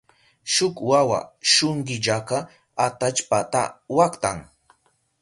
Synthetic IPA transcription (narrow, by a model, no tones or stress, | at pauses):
ʃʊkwawa̰ʃʊŋɢɪʎaka | at̪at͡ʃpat̪a̰wakt̪a̰ŋ